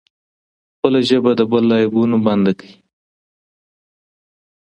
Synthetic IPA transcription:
xpəlaʒəbad̪əbəlːɑjɪbunoband̪akəi

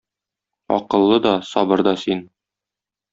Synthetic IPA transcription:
ɒ̰qɤ̆lˠːɤd̪ɒsɒbɤɾd̪ɒsin

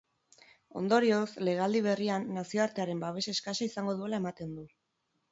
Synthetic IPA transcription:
o̞̰nd̪o̞ɾio̞sle̞ɣ̞ald̪iβ̞e̞rianːasio̞aɾt̪e̞aɾe̞mbaβ̞e̞ʃeːskasaisaŋɡo̞ð̞ue̞lae̞mat̪e̞nd̪u

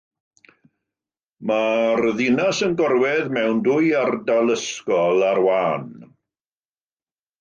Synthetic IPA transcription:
marðɪnasənɡɔrwɛðmɛwndʊɨardalˠəskɔlˠarwaːn

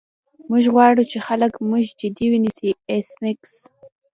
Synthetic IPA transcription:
mʊʒɣwɑɽut͡ʃexaləkmʊʒd͡ʒɪd̪iwinisiesmɪks

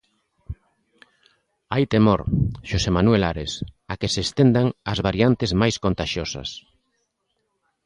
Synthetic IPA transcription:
ajt̪emoɾʃosemanwelaɾesakesest̪end̪aŋɐzβaɾjant̪ezmajskont̪aʃjosɐ̰s

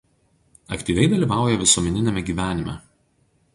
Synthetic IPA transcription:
ɐ̰kt̪ʲiːʋʲɛɪd̪ɐlʲiːʋɑˑʊjɛʋʲɪsuɔmʲɛnʲɪnʲɛmʲɛɡʲiːʋʲæːnʲɪmʲɛ̰

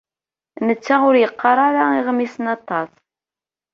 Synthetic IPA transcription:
nət͡sːaʊɾjəqːɑɾˤɑɾaiʁmisənɑt̪ˤːɑs

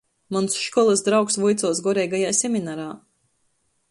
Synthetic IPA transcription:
mɔnsʃkɔlˠɨsd̪ɾawksvujt̪suɔsɡɔɾɛjɡajaːsʲɛmʲinaɾaː

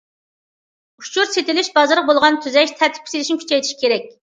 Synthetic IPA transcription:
ut͡ʃʰuɾset̪ɪlɪʃbɑzɾəq̚bolˠʁɑnt̪ʰyzɛʃt̪ʰɛɾt̪ʰɪ̥p̚kʰʲsɪlɪʃnɪkʰʲy̥t͡ʃʰɛjt̪ʰɪʃi̥kʲʰeɾɛkʲ

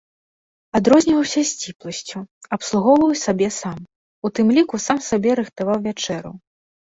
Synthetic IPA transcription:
ad̪ɾɔzʲnʲivɐwsʲɐsʲt͡sʲiplˠɐsʲt͡sʲuɐpslˠuɣɔwvɐwsʲabʲɛsam | ut̪ɨmlʲikusamsabʲɛɾɨxt̪avawvʲat͡ʂɛɾṵ

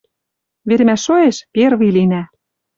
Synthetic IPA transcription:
βeɾɘ̆mæʃːoeʃperβilinæ

